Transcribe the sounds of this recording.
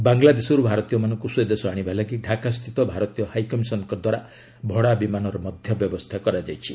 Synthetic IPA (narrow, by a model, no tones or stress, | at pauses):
baŋlad̪esɔɾubʱaɾɔt̪ijɔmanɔŋkusujed̪esɔaɽ̃ibʱalaɡiɖʱakast̪ʰit̪ɔbʱaɾɔt̪ijɔhajkɔmisɔnɔkɔd̪waɾa | bʱɔɽabimanɔɾɔmɔd̪ʱjɔbjɔbɔst̪ʰakɔɾad͡ʒajt͡ʃʰi